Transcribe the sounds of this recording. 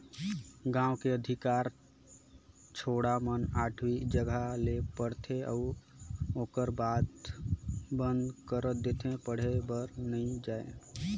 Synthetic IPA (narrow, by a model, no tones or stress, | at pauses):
ɡãwkeəd̪ʱɪkaːɾ | t͡ʃʰoɽamənaːʈʰwid͡ʒəɡʱalepəɽt̪ʰeʔɔ̰ | oːkəɾbad̪ | bə̃nd̪kəɾət̪̚d̪et̪ʰẽpəɽ̤ebəɾnəĩd͡ʒaḛ